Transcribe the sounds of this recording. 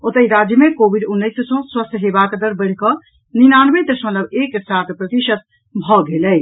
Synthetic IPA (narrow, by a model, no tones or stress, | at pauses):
ot̪əiɾad͡ʒjəmekobiɖunːəjssɔ̃swəst̪ʰɦebakd̪əɾbəɽ̤kɔ | ninanʋed̪əsmət̪lləbeksat̪ʰpɾət̪iʃət̪̚ | bʱɔɡelɛj